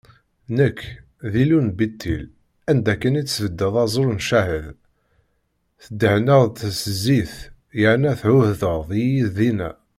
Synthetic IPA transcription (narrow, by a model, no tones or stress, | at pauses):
nəkʰː | ðilunbit̪ʰːḭl | ænd̪ækːənit͡sːsvəd̪ːəðˤɑzˤolnʃæhəð | θəd̪ːəhnəʁt̪səzːiθ | jəʕnæθʕʊhðəʁðijiððinæ